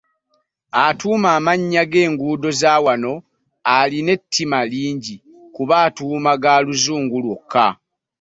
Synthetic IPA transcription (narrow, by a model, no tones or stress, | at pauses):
atuːmaːmaɲːaɡe̞ːŋɡuːdo̞zaːwano̞ | aline̞tʰːimaliːɲɟi | kuβaːtuːmaɡaːluzuːŋɡulwokʰːa̰